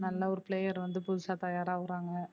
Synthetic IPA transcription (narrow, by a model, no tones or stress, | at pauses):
nɐlːɐɔɾɯplejɐɾʋɐnd̪ɯpʊðʊsaːt̪ɐjaːɾaːʋɯɾaːŋɡɐ